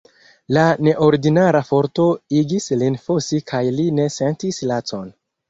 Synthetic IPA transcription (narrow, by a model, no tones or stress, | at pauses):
lane̞ʔo̞ɾidinaɾafo̞ɾto̞iɡislinfosikʰajline̞se̞ntislat͡so̞n